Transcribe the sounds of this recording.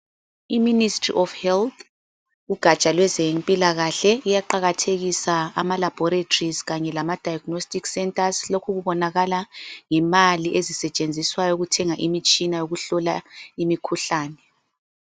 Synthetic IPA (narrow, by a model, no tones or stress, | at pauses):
iministʼrḭʔɔfhɛlt̪ʰ | uɡ̥ʱat͡ʃʼalwɛzempʼilaɣaɬɛijaǃaɣatʰeɣisaa̰malab̥ʱɔɾetʰorizɣaɲɛlamad̥ʱajaɡ̥nostʼiksɛntʼaslokʰuɣuβɔnaɣalaŋɛmaliʔezisɛt͡ʃʼend͡zʱiswajɔuɣutʰɛŋaʔimit͡ʃʼinajoɣuɬɔlaimikʰuɬaːnɛ